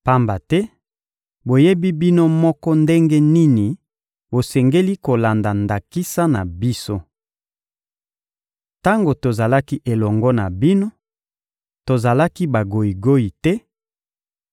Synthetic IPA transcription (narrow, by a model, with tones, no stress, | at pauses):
pa˦mba˨tɛ˦ | bo˨je˦bi˦bi˦no˦mɔ˦kɔ˦nde˦ŋɡɛ˦ni˦ni˨ | bo˨sɛ˨ŋɡe˦li˦ko˨la˨nda˨nda˨ki˦sa˦na˨bi˦so˦ | ta˦ŋɡo˨to˨za˨la˦ki˦ʔe˨lɔ˨ŋɡɔ˦na˨bi˦no˦ | to˨za˨la˦ki˦ba˨ɡo˨i˨ɡo˦i˨tɛ˦